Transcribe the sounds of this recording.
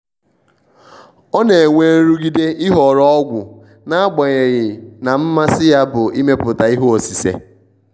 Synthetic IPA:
ɔ˦ne˨ŋʷe˨˦ɾu˦ɡi˦de˦ɪ˦ɦɔ˨ɾɔ˦ɔ˦ɡʷʊ˨ | na˨˦ɡ͡ba˨ɲe˨ɣɪ˨na˨m̩˦ma˦sɪ˦ja˦bʊ˨i˦me˦pʊ˨ta˨i˦ɦo˦o˨si˨sḛ˨

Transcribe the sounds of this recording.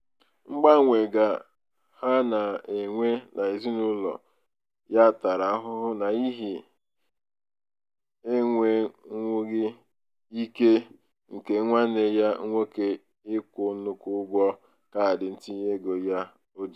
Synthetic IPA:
ŋ͡m̩˦ɡ͡ba˦ŋʷe˨ɡa˨ | ha˦na˨e˨ŋʷe˦nʔa˨i˨zi˦nu˦lɔ̰˨ | ja˦˨ta˨ɾa˨˦ɦʊ˦ɦʊ˦na˨i˦ɦi˨ | e˦ŋʷe˦ŋʷu˦ɣɪ˦ | i˦ke˦ | ŋ̩˨ke˨˦ŋʷa˦ne˨ja˦ŋʷo˦ke˨ | ɪ˦kʷʊ˨˦nu˦ku˦ɡʷɔ˦ | ka˦a˨dɪ˨n̩˦ti˦ɲe˦ɡo˨ja˦ | o˦d͡ʒi˨

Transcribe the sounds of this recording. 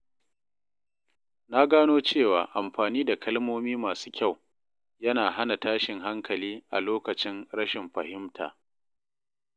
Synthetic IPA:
na˦ɡaː˦noː˦t͡ʃeː˦˨waː˨ʔa˨mɸaː˨niː˦da˨kʰɐ˦lmoː˦miː˦maː˨su̥ː˦kʲa˦˨w | jɐ˦naː˨ɦa˦na˨taː˦ʃɪ˨ŋɦa˦ŋkʰɐ˨liː˦ʔa̰˨loː˦kɐ˨t͡ʃɪ˦nɾɐ˦ʃɪ˨mɸɐ˨hɪ˦mtʰa̰ː˨

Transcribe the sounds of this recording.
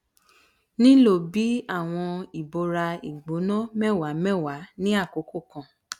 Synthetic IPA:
nĩ˦lo˦˨bi˨˦a˦˨w̃ɔ̃˧i˨bo˨˧ɾa˧ḭ˨ɡ͡bo˨˦nɔ̃˦mɛ˦˨wa˨˦mɛ̃˦wa˨˦nĩ˦a˦˨ko˨˦ko˦˨kã˧˦

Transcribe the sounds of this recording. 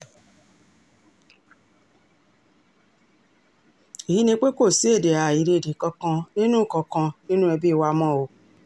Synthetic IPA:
i˨ɦi˨˦nĩ˧k͡pe˦ko˦˨si˦e˦˨de˨a˨i˨ɾe˧e˨de˨kɔ˧kã˧nĩ˦nũ˦˨kɔ˧kã˧nĩ˦nũ˦ɛ˧be˦˧wa˧mɔ̃˦˨o˨˧

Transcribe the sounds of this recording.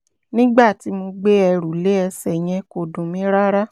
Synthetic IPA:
nĩ˦ɡ͡ba˦˨ti˨˦mo˧ɡ͡be˦ɛ˧ɾu˨le˨˦ɛ˧sɛ˨j̃ɛ̃˧ko˧˨dũ˨mĩ˨˦ɾa˦ɾa˦

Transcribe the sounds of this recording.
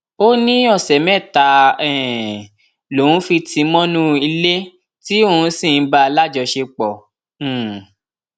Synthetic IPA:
o˦nĩ˦ɔ˦˨sɛ˨mɛ̃˦˨ta˨˦ɛ˨ | lo˨ũ˨˦fi˧tĩ˨˧mɔ̃˦nũ˦i˧le˦ | ti˦o˧˨ũ˧˦sĩ˦˨n̩˦ba˦˧la˦˨d͡ʒɔ˧ʃe˧k͡pɔ̃˨

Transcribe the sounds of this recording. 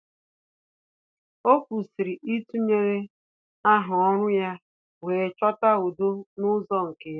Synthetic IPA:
o˦kʷu˨si˨ɾi˨ʔi˦tu˦ɲe˦ɾe˦ | a˦ɦʊ˨ɔ˦ɾʊ˦ja˦ | weː˨t͡ʃɔ˦ta˦o˨do˦nʊ˦zɔ˦ŋ̩˨ke˨j

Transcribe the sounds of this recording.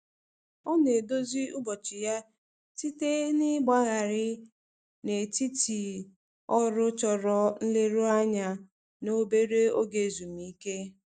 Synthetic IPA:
ɔ˦ne˨do˦zi˦u˦bɔ˨t͡ʃi˨ja˦ | ti˦te˦nɪ˦ɡ͡ba˦ɣa˨ɾɪ˦ | ne˨ti˦ti˨ | ɔ˦ɾʊ˦t͡ʃɔ˨ɾɔ˨n̩˦le˦ɾu˦a˦ɲa˦ | no˦be˦ɾe˦o˦ɡe˨zu˨mii˦ke˦

